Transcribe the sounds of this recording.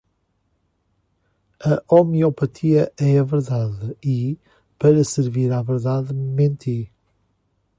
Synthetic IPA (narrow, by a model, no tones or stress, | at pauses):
ɐʔɔmiopɐt̪ʰiɐɛɐvɨɾðaðɨi | pɐɾɐsɨɾviɾavɨɾðaðmẽnt̪ʰi